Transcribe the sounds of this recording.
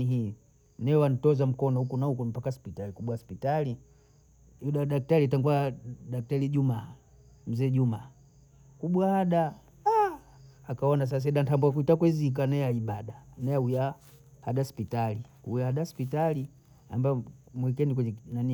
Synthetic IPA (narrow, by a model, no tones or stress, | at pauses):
iɦi | nɛɛwanitɔzam̩kɔnɔhukunahukumpakaspitalikuɓwaspitali | juɗaɗak̚talitaŋɡuaɗak̚taliʄuma | m̩zɛʄumaː | kuɓwahaɗa | aː | kaɔnas̬as̬ɛɗantambuakuitakwɛzik̬anɛaiɓaɗanɛauja | haɗaspitali | ujahaɗaspitali | a̰mbaɔmuik̬ɛnikwɛɲɛnani